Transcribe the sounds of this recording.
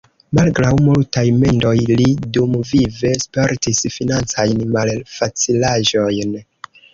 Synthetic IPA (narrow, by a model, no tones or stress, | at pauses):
malɡɾawmultajme̞ndo̞jlidumvive̞spe̞ɾtisfinant͡sajnmalfat͡silaʒo̞jn